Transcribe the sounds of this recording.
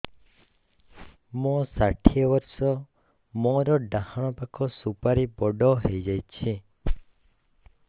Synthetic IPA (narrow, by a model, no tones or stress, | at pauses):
mɔ̃saʈʰiɔbɔɾsɔ | mɔ̃ɾɔɖahaɽ̃ɔpakʰɔsupaɾibɔɖɔɦejd͡ʒajt͡ʃʰi